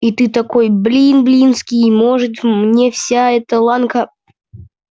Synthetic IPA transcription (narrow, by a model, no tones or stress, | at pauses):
it̪ɨt̪ɐkojblʲinblʲinskʲɪjmoʐɨt̪mnʲefsʲaɛt̪əlˠankə